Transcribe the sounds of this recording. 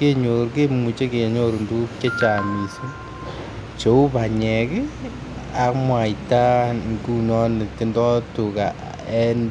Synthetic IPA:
ke˦ɲo˨ɾke˦mu˨t͡ʃe˦ke˨ɲo˨ɾu˨ndu˦ke˦t͡ʃa˨mi˨su˦ | t͡ʃo˨u˦pa˨ɲɛ˨k | a˨kmwa˨i˨ta˦ŋku˦nɔ˦nɪ˨ke˦ndɔ˦tu˨ka˨ | ɛ˦n

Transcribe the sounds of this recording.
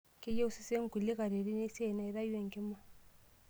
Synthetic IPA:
ke˦je˦u˦si˦se˦ŋ˦ku˨li˦ka˨ɾe˨ɾi˦ne˦se˦˨na˨i˦ɾa˦jwe˨ŋ˨ki˦ma˦

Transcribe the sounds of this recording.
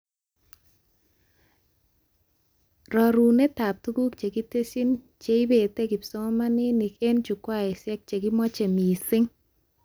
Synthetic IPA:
ɾɔ˨ɾu˨ne˦ta˨p̚tu˦ɡu˦kt͡ʃe˨ɡi˦te˦si˦n | t͡ʃe˦i˦be˨te˦ɡɪ˨pɪ̥˨sɔ˦ŋɔ˦ma˦nɪ˦ni˨ke˦nt͡ʃu˨kwa˦ɛ˨sɛ˦k̚t͡ʃe˨ɡɪ˦mɔ˦t͡ʃe˨mi˨sɪ˦ŋ

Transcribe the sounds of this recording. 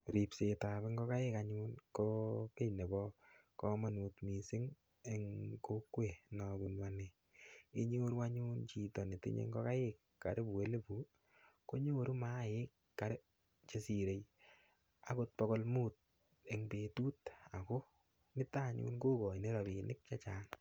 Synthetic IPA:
ɾi˨pse˨ta˨be˦ŋɡɔ˦ka˦jɪ˦kaɲu˦nkɔ˦pe˦jne˨bɔ˦kɔ˦ma˨nu˨tmi˨sɪ˦ŋ | e˦ŋko˦kwe˨nɔbu˨nwa˦ne˨ | i˦ɲe˦o˦ɾu˦wa˦ɲuː˦nt͡ʃi˨tɔ˨ne˨tɪ̰˦ɲḛ˧ŋɡɔ˦ka˦jɪkːa˨ɾe˦bu˨e˦le˦bu˨˦ | ko˦ɲo˦o˦ɾu˦ma˦˨jɪ˦kːa˨ɾe˦ | t͡ʃe˨si˨ɾe˨j | a˦ko˧t̚pɔko˦lmu˦t̚ | e˨ŋbe˨tu˦ta˨ko˦ | nɪ˦ta˦˨ɲṵː˦nko˦kɔ˨i˨ne˦ɾa˨bi˨nɪ˦k̚t͡ʃa˦t͡ʃaː˦n

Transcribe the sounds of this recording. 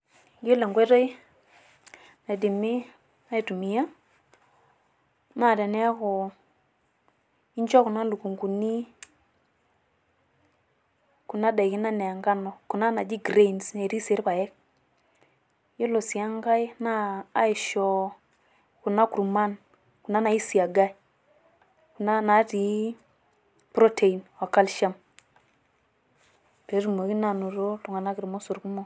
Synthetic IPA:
jo˦le˨ŋɡʷe˦to˦j | na˨di˨mi˦ | na˦i˨tu˨mi˨ja˦ | ma˦˨de˨ne˦a˦kʊ˨ | i˦nt͡ʃɔ˦ku˨na˦lu˨ku˨ŋku˨ni˦ | ku˨na˦da˨ki˦na˦ne˨a˨ŋɡa˦nɔ˨ku˨na˦na˨d͡ʒi˦ɡɾe˦˨nsne˨ɾi˦se˨˦ɾpa˨je˦k̚ | ji˦lo˨si˨ja˦ŋɡa˦jnaː˦i˨ʃo˦ | ku˨na˦ku˨ɾma˦n | ku˨na˦na˨ji˦si˨a˨ɡa˦j | ku˨na˦na˨˦ti˨˦ | pɾo˦tʰe˨i˨nwa˨ka˦lʃa˦m | te˨˦ɾu˨mo˨ɡi˦na˨nu˨ɾo˦to˨ŋa˨na˦ki˨ɾmo˦su˨ɾku˦mo˦

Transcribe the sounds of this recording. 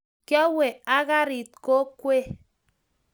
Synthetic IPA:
kjɔ˦we˨a˦ɣa˦ɾi˨t̚ko˦kwe˦

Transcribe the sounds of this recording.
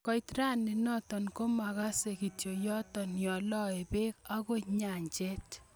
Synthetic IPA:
kɔ˦jtɾa˦ni˨nɔ˦tɔ˨nko˦ma˨ka˦se˨ki˨tjo˨jɔ˦tɔ˨njɔ˨lɔ˦e˨be˦ka˦ko˦ɲa˨ɲt͡ʃe˦t

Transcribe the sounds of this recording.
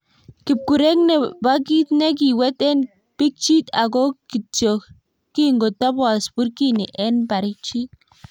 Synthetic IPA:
ki˨p̚ku˨ɾe˦kne˨ba˦ki˦t̪ne˦k̬i˨wɛ˦t̪e˦n | pi˦k̚t͡ʃi˦t̪a˨ɡo˦ki˨t͡ʃo˨k | ki˦ŋɡo˨t̪a˦bwa˨spu˦ɾki˦ni˨ʔe˦npa˨ɾi˦k̚t͡ʃi˦t̪̚

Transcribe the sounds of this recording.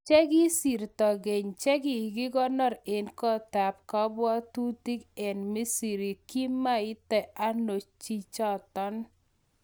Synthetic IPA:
t͡ʃɛ˦ɡi˦si˨ɾtɔ˨ɡe˨ɲt͡ʃɛ˦ɡɪ˨ɡɪ˦ɡɔ˦nɔ˦˨ɾe˨nkɔ˦ta˨p̚kɔ˦bwɔ˦tu˦ti˦kɛ˨nmi˦si˨ɾi˨ki˦ma˦ɪ˦tɛ˨ʔa˦no˨t͡ʃt͡ʃi˦t͡ʃɔ˦tɔ˦n

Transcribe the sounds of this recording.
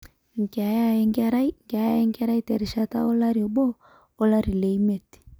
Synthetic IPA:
ŋ˨ka˨ja˦˨ɛ˦ŋɡa˦ɾa˦i˦ŋka˨ja˦ɛ˦ŋɡa˦ɾa˦i˦tɛ˨ɾi˨ʃa˨ta̰˦ɔ˦la˦ɾi˨ɔ˨bɔ˦ | ɔ˦la˦ɾi˨lɛ˨i˦mɛ˨ti̥˨

